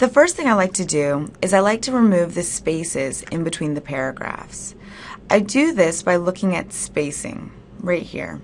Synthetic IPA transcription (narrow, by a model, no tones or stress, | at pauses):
ðɨfɜ˞st̪θɪ̃ŋaɪlaɪk̚tʰɨdɨɨzaɪlaɪk̚tʰɨɹɨmʉvðɨspeɪsɪzɨ̃nbɨtʰw̥ĩnðɨpʰɛɹɨɡɹæ̰fs | ʔaɪdɨðɪsb̥aɪlʊkɪ̃ŋɨtspeɪsɪ̰̃ŋ | ɹaɪt̚hḭɹ